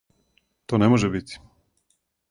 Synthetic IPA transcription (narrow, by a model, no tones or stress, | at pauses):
t̪oːnɛmoʒɛbit̪i̥